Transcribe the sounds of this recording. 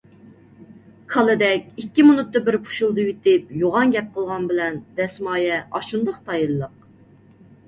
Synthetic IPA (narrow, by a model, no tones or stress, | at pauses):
kʰɑlˠɨd̪ɛkʲikʲːimunut̪ːɨbɪɾpʰu̥ʃulˠd̪ɨjit̪ɪp̚joʁɑŋɡʲɛp̚qʰəlˠʁɑnbɪlɛnd̪̥ɛsmɑːjɛɑʃund̪ɑqt̪ʰɑjɨlˠːəq̚